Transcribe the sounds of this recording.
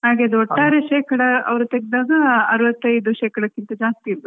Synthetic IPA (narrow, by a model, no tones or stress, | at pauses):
ɦaːɡeɐd̪uoʈːaːɾeʃeːkɐɽɐɐ̰ʋɐɾut̪eɡed̪aːɡɐɐɾuʋɐt̪ːɐjd̪uʃeːkɐɽɐkːint̪ɐd͡ʒaːst̪iilːu